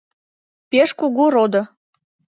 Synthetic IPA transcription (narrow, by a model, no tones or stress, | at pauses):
peʃkuɣuɾod̪ɤ̆